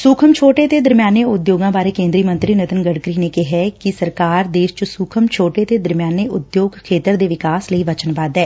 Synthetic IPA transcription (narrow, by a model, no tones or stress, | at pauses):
suːkʰəmt͡ʃʰoːʈet̪eːd̪əɾmjaːneʊd̪joːɡãːbaːɾeːkẽːnd̪ɾiːmə̃nt̪ɾiːnət̪ənɡəɽkɾiːnekeɦɛːkisəɾkaːɾd̪eːʃt͡ʃəsuːkʰəmt͡ʃʰoːʈeːt̪eːd̪əɾmjaːneʔʊd̪joːɡkʰeːt̪əɾd̪eːʋɪkaːsləiːʋət͡ʃənbaːd̪ɦɛː